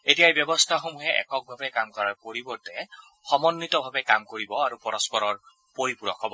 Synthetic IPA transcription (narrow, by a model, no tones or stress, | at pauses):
etijaebjɔbɔstʰaxomuɦɛʔɛ̰kɔk̚bʱabɛkamkɔɹaɹkoɹibɔɹtɛ | xɔmɔnːitɔbʱabɛkamkoɹibɔaɹupɔɹɔspɔɹɔɹ | poɹipuɹɔ̰kʰɔbɔ